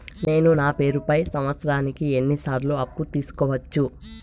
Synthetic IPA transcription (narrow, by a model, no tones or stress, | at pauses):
ne̞ːnunaːpe̞ːɾupɐjsɐmʋɐt̪sɐɾaːnikienːisaːɾloːɐpːut̪iːsu̥kɔːʋɐt͡ʃːu